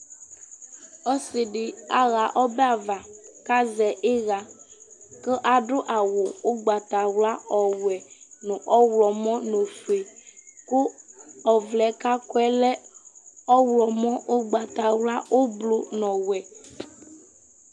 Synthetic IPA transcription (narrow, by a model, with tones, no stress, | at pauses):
ɔ˦se˨ɖe˨a˦ɣa˨ʔɔ˦bɛ˦a˨va˨ka˦zɛ˨ʔe˦ɣa˨ | ke˦ʔa˨ɖo˦ʔa˨wo˨wo˦ɡ͡ba˨t̪a˨wla˦ɔ˨wɛ˨nũ˨ʔɔ˦wlɔ˨mɔ̃˦nõ˨fe˨ko˦ɔ˨vlɛ˨˦ka˦kɔ˦ɛ˦lɛ˦ | ɔ˦wlɔ˨mɔ̃˦wo˦ɡ͡ba˨t̪a˨wla˦wo˦blo˦nɔ̃˨wɛ˨